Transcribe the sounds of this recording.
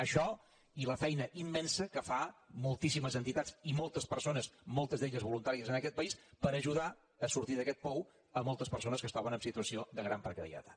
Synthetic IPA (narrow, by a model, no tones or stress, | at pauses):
əʃɔ | iləfɛjnəʔimːɛnsəkəfamulˠt̪isiməzənt̪it̪ad͡zimɔlˠt̪əspəɾsonəsmɔlˠt̪əzd̪eʎəzβulunt̪aɾiəzənəkɛt̪̚pəispəɾəʒuð̞a | əsuɾt̪iðəkɛt̪̚pɔw | əmɔlˠt̪əspəɾsonəskəst̪ɔβənəmsit̪uəsioðəɣɾampəɾkəðḭə̰t̪ḁ̰t̪